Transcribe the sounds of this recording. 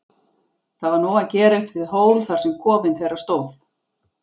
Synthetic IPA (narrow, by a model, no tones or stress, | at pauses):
θavaɾnɔːwacɛːɾejht̪vɪðɦoːwlθaɾ̥sɛmkʰɔːvɪnθejɾast̪oːwθ